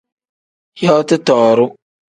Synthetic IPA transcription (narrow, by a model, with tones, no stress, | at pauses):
jɔ˦tɨ˦tɔː˨ɾʊ˦